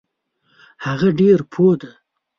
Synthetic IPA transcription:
haɣaɖeɾpʰod̪a

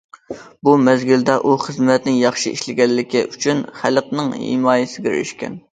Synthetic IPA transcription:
bumɛzɡʲild̪ɛʔuχəzmɛt̪nɪŋjɑχʃiḭʃlɪɡʲɛlːɪkʲiʔyt͡ʃʰynχælqnɨŋhḭmɑːjɪsɪɡʲɛɾy̰ʃkʲɛ̰n

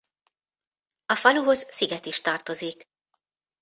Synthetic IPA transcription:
ɒfɒluɦo̞zsiɡɛt̪iʃt̪ɒrt̪o̞zik

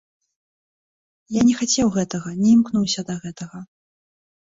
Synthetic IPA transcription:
janʲɛxat͡sʲɛwɣɛt̪ɐɣɐnʲɛimknuwsʲɐd̪ɐɣɛt̪ɐɣɐ

